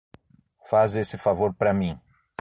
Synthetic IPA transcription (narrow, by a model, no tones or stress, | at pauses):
fazesɪfavoɾpɾɐmĩ